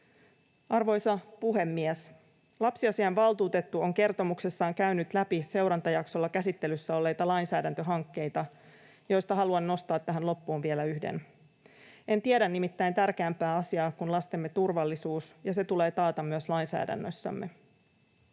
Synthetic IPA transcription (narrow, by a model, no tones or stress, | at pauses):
ɑrʋo̞jsɑpuɦe̞mːies | lɑpsiɑsiɑnʋɑlˠt̪uːt̪et̪ːuoŋke̞rt̪o̞mukse̞sːɑːŋkæynyt̪læpise̞wɾɑnt̪ɑjɑkso̞lːɑkæsit̪ːe̞lysːæo̞lːe̞jt̪ɑlɑjnsæːdænt̪øɦɑŋkːe̞jt̪ɑ | jo̞jst̪ɑɦɑluɑnːo̞st̪ɑːt̪ːæɦænlo̞pːuːnʋielæyhdḛn | e̞nt̪ieɾænːimit̪ːæjnt̪ærkeæːmpæːɑsiɑːkunlɑst̪emːe̞t̪urʋɑlːisuːsjɑse̞t̪ule̞ːt̪ɑːt̪ɑmyøslɑjnsæ̰ːdæ̰nːø̰sːæ̰mːʔe̞̰